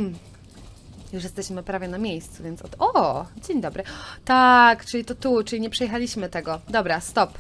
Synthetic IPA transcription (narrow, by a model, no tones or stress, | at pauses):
m̩ | juʂjɛst̪ɛɕmɘpɾavʲjɛnamʲejst̪suvʲjɛntsɔt̪ɔd͡ʑeɲd̪ɔbɾɘt̪akt͡ʂɘlʲit̪ɔt̪ut͡ʂɨlʲiɲɛpʂɛjɛxalʲiɕmɘt̪ɛɡɔd̪ɔbɾast̪ɔp